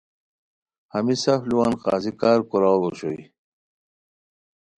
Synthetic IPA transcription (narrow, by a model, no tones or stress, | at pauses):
hɐmisɐfluwaːnqa̰ːzikaːɾkuɾaloɕo̰i